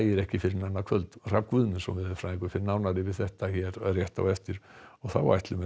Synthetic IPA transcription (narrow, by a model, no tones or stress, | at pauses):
jɪɾɛhcɪfɪɾɪnanakʰvœlt̪r̥apkvʏðmɛnsɔmvɪðɛfɾaːðiŋkʏɾfɪɾɪnaːwnaɾɪvɪ̥θɛht̪açɛːɾrjɛht̪a̰wɛft̪ɪɾ̥ɔθawva̰jht̪lʏmɛ